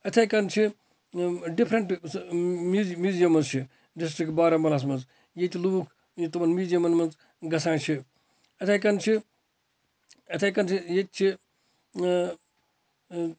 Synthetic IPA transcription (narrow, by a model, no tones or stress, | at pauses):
ɐt̪ʰɐjkɐnt͡ʃʰi | ɖipʰɾɐɳʈ | muːmʲjuːzijɐmɐnzt͡ʃʰi | ɖisʈɾikbaːɾɐmbɐlɐs̬mɐnz | jet̪ʲluːkʰ | jit̪ɐmɐnmʲiːzijɐmɐnmɐnz | ɡɐsãːt͡ʃʰi | ɐt̪ʰajk̬ɐnt͡ʃʰi | ɐt̪ʰɐjkɐnt͡ʃʰijet̪̚ʲt͡ʃʰi